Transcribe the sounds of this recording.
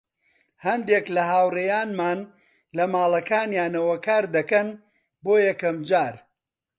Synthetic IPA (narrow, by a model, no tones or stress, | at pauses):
hɐnd̪eːklɐɦaːwreːjaːnmaːn | lɐmaːlˠɐkaːnjaːnɐwɐkʰaːɾd̪ɐkɐn | boːjɐkɐmd͡ʒaːɾ